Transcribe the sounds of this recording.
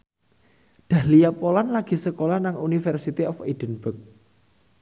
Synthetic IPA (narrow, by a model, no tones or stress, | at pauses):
d̪̥a̤hlijapolanlaɡ̥i̤səkolanaŋunifɛrsit̪iʔɔfid̥ənb̥ək̚